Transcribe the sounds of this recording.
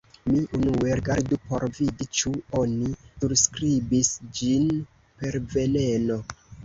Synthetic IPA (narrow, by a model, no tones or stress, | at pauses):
miʔunueɾɡaɾdupo̞ɾvidit͡ʃuonisuɾskɾibisd͡ʒin | pe̞ɾve̞ne̞no̞